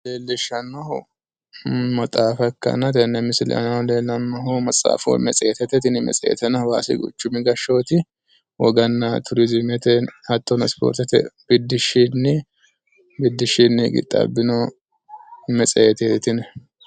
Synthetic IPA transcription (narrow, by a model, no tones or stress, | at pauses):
leːlːɪʃɐnːɐh | mɐt̪ʼaːfɐkːɐ̰nɐt̪ɛnːɛmɪsɪlɛ̰ɐ̰nɐleːlːɐnːɐɦomɐt͡sʼa̰ːfo̰mɛt͡sʼɛːt̪ɛt̪ɛt̪ɪnɪmɛ̰t͡sʼɛ̰ːt̪ɛnɐwaːsɪ̰ɡʊ̰t͡ʃːʊmɪɡɐʃːoːt̪ɪ | wɔɡɐnːɐt̪ʊɾɪzɪmɛt̪ɛɐt̪ːɔnɐspo̰ːɾt̪ɛt̪ɛ̰b̥ɪd̪ːɪʃinːɪ | bɪd̪ːɪʃinːɪɡɪ̰t̪ʼːɐ̰bːɪno | mɛt͡sʼɛjt̪ɛt̪ɛt̪ɪnɛ